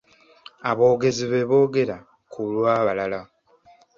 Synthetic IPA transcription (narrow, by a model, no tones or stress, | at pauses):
aβo̞ːɡe̞ziβeβo̞ːɡe̞ɾa | kʰulwaːβalala